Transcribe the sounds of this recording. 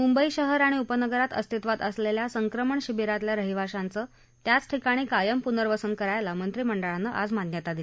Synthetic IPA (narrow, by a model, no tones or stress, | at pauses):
mumbəiɕəɦəɾaɽ̃iupənəɡəɾat̪ə̰st̪ʰit̪ʋat̪əsleljasəŋkɾəməɳɕibiɾat̪ljaɾəɦiʋ̤aɕant͡səː | t̪jat͡sʈʰikaɽ̃iːkajəmpunəɾʋəsənkəɾajlamənt̪ɾiːməɳɖəɭanːəʔad͡zmannjət̪ad̪i